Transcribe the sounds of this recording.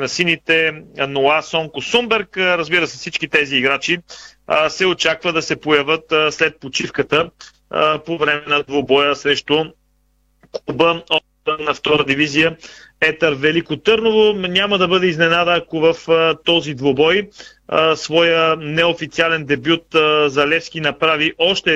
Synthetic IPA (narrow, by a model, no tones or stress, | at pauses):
nɐsinit̪ɛnoasɔŋkosumbɛɾkɾɐzbiɾəsɛfsit͡ʃkit̪ɛziːɡɾat͡ʃi | sɛot͡ʃakvəd̪ɐsɛpojɐvət̪slɛt̪̚pot͡ʃifkət̪ə | povɾɛmɛnɐd̪vobɔjəsɾɛʃt̪ʊ | kubəot̪nɐft̪ɔɾəd̪ivizijəɛt̪əɾvɛlikot̪ɤɾnovonʲaməd̪ɐbɤd̪ɛiznɛnad̪əːkovɐfət̪ɔzid̪vobɔj | əsvɔjənɛofit̪sialɛnd̪ɛbjut̪zɐlɛfsk̟inɐpɾaviʔɔʃt̪ɛ